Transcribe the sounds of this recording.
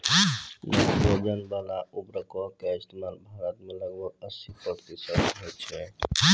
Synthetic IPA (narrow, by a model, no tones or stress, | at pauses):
bod͡ʒənbalaubɾəkɔkeɪst̪emalbʱaɾət̪meləɡbəəsipəkt̪isət̪ɦojt͡ʃʰɛ